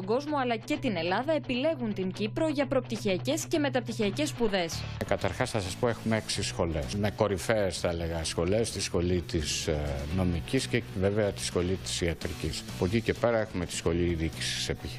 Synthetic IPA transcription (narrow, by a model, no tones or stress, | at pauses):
oɡo̞zmo̞ɐlɐce̞t̪ine̞lɐðɐe̞pile̞ɣunt̪iɲɟipɾo̞ʝɐpɾo̞p̚t̪içiɐce̞sce̞me̞t̪ɐp̚t̪içiɐce̞spuðe̞skɐt̪ɐɾxɐsθɐsɐspo̞e̞xumeeksisxo̞le̞sme̞ko̞ɾife̞ːsθɐle̞ɣɐsxo̞le̞st̪isxo̞lit̪isno̞micisceveveɐt̪i̥sxo̞lit̪i̥siɐt̪ɾicisɐpocice̞pe̞ɾɐe̞xume̞t̪i̥sxo̞liðici̥si̥se̞pi